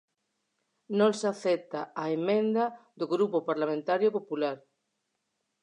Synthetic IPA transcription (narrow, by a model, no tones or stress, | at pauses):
nõnsaθɛt̪aaemẽnd̪aðoɣɾupopaɾlamẽnt̪aɾjopopulaɾ